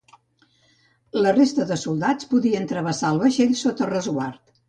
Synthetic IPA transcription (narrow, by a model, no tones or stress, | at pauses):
lərest̪əðəsulˠd̪at͡spuðiənt̪ɾəβəsaəlˠβəʃeʎsot̪ərəzɣwaɾt̪